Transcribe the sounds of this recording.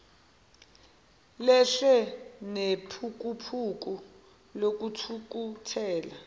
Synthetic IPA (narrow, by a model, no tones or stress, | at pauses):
lɛʂɛnepʰuk̬upʰuk̬u | lok̬utʰuk̬utʰɛːla